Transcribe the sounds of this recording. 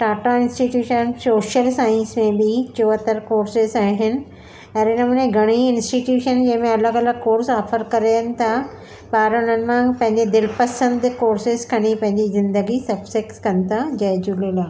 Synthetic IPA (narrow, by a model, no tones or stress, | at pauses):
ʈaːʈaɪ̃nsʈiʈjuːʃənsoːʃəlsaːɪ̃nsmẽbɪt͡ɕoːət̪əɾkoːɾsɪzaːɦɪnɪ̆ | ɐɾenɐmũːneɡʱɐɽ̃iɪ̃nsʈiʈjuːʃənd͡ʑɐ̃ɦɪ̃mẽɐləɡɐləɡ̚koːɾsaːfəɾkɐɾejənɪ̆t̪ʰa | baːɾənənɪ̆mãːŋpɐ̃ɦɪ̃ɲ̆d͡ʑed̪ɪlpɐsə̃nd̪koːɾsɪzkʰɐñipɐ̃ɦɪ̃ɲd͡ʑizɪ̃nd̪əɡisɐbsɪkskɐnɪ̆t̪ʰad͡ʑɐːd͡ʑulelaː